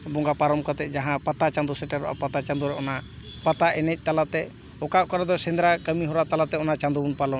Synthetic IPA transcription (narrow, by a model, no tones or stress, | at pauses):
bɔŋɡapaɾɔmkɔt̪ɛd͡ʒaɦãpat̪at͡ʃãnd̪usɛʈaɾɔ̰ʔa̰pat̪at͡ʃãnd̪uɾɔɔna | pat̪aʔɛnɛc̚ˀt̪alat̪ɛ | ɔkakɔɾad̪ɔsɛ̃nd̪ɾakəmiɦɔɾat̪alat̪ɛɔnat͡ʃand̪uunpalɔ